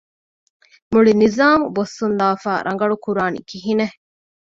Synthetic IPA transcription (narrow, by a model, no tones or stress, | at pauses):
muɭinizaːmubosːund̪aːfaːɾʔɐŋ̆ɡɐɭukuɾaːnḭkiɦine